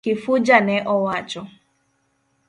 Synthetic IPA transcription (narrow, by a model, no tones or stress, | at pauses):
ifud͡ʒanɛʔɔwat͡ʃɔ